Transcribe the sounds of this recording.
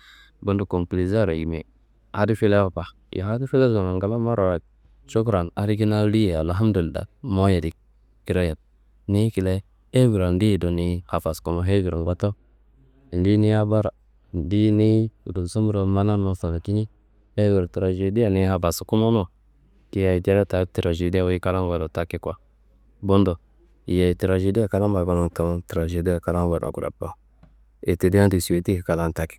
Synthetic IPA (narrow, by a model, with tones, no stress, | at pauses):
bu˨ndu˨ko˨mpli˨za˦˨ɾa̰˨ɡi˨m˨ḛ˨ | a˨di˦fi˦le˦wa˦˨pa˨ | jo̰˨ha˦di˦fi˦le˦sɡo˨na˨ɡa˨˦la˦ma˦ɾa˨wa˨ | t͡ʃo˦kɾa˨na˨ɾi˦ɡi˦na˦li˦je˨a˨lɦa˦m˦du˨lda̰˨mo˦ja˨di˨k̚ | ki˨ɾo˦ja˨t̚ | ni˦ki˨le˦ | e˦vi˨ɾa˨ndi˦˨do˨ni˦ha˨fa˨sko˨mo˦ɦe˦ɡi˨ɾa̰˨ŋɡa˦to˦˨ | di˦ni˦a˦ba˦ɾa˨ | n˨di˦ni˦˨ɾu˨so˦mu˦ɾo˨˦ma˦na˦no˨sa˨na˨ki˦ni˦ | e˦wi˨ɾtɾa˨ʒe˨di˦a˨ni˨˦ha˨ba˨su˨ku˦mo˦no˦˨ | ki˦ja˨i˨da˦a˦ta˨˦tɾa˨ʒe˨di˦a˦wi˦ka˦la˦n˦wa˨do˨ta˦ki˦kwa˨ | bo˦ndo˨ | je˨tɾa˨ʒe˨di˦a˨ka˦la˦ba˨ba˦no˨n˨ta˨m˨tɾa˨ʒe˨di˦a˨ka˦la˦n˦wa˨da̰˨ɡu˨ɾa̰˨pa˨˦ | e˨te˨di˦a˦n˦di˨si˨e˨ti˦˨ka˨la˦˨n˨ta˦ki̥˨˦